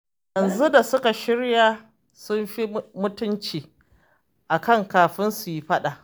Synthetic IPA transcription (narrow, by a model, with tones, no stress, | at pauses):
jɐ˨nzu˦da˨sʊ˦ka˨ʃɪ˦ɽjaː˦ | sʊ˦mɸi˦mʊ˦tʊ˦nt͡ʃiː˨ | ʔa˨kɐ˦˨ŋkaː˨ɸɪ˦nsu˨ji˦ɸɐ˦ɗa˨ʔ